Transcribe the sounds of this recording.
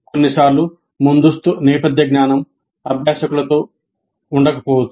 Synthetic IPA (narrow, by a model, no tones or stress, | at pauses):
konːisaːɾlu | mund̪ust̪unɛːpɐd̪jɐɡɲaːnɐm | ɐbʱjaːʃɐkulɐt̪o̞ː | uɳɖɐkɐ̥pɔːwɐt̪ːu̥